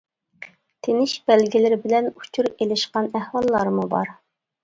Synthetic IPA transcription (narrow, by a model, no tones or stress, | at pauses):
t̪ʰenɪʃbɛlɡʲɪlɪɾɪbɪlɛnu̥t͡ʃʰuɾelɪʃqɑnæhwɑlˠːɑɾmubɑ̰ɾ